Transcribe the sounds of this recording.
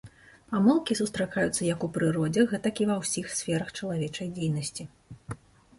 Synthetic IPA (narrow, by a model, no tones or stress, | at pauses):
pamɨlˠkʲisust̪ɾakajut̪sːɐjɐkupɾɨɾɔd͡zʲɛɣɛt̪ɐkʲivɐwsʲixsʲfʲɛɾɐxt͡ʂɐlˠavʲɛt͡ʂɐjd͡zʲejnɐsʲt͡sʲi